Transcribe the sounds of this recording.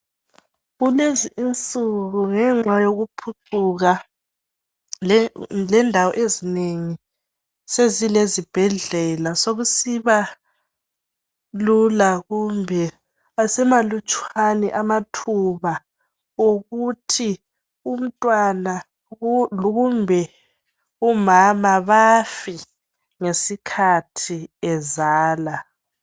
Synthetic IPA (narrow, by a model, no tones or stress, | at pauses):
ɣuleziʔint͡sʼuɣuŋɛŋ͡ǁajoɣupʰuǀʰuɣa | lɛndʱawɔʔezineŋi | sezilezib̥ʱɛɮɛlasoɣusiβa | lulaɣumbʱɛ | asɛmalut͡ʃʼwanɛʔamatʰuβa | oɣutʰi | um̩tʼwana | ɣumbʱɛ | umamaβafi | ŋesikʰatʰiɛzaːla